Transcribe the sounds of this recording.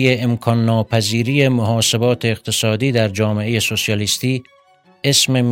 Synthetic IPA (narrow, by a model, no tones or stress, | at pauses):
jeemkʰɒːnːɒːpʰæziːɾijemoɦɒːse̞bɒːt̪ʰe̞ːq̚t̪ʰe̞sɒːd̪iːd̪æɾd͡ʒɒːme̞e̞jesosijɒlist̪iː | e̞sme̞m